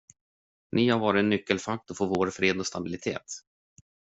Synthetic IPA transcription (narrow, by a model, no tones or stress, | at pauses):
nʔɪhaɾvɑːɾɪnːʏkːəlfak̚t̪ɔfoːvoːɾfɾeːd̪ɔst̪abɪlɪt̪ʰḛːt̪